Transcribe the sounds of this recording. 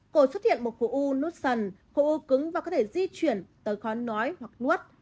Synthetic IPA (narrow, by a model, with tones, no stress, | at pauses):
ko˧˩swə˦˥t̚hḭ˧˨ənmo˨˩t̚xo̰˧˩ʔu˧nu˦˥t̚sə˨˩n | xo̰˧˩ʔu˧kɨ˨˦ŋvaː˨˩kɔ˨˦t̪ʰe˧˩zi˧t͡ɕwi˧˩ənt̪əː˨˦jxɔ˨˦nɔ˨˦jhwa˨˩k̚nu˦˥ət̚